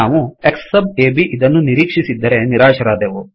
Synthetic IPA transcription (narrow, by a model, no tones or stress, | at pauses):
aːʋueksːɐbeːbiʔid̪ɐnːuniɾiːkʂisid̪ːɐɾe̞niɾaːʃɐɾaːd̪eːʋu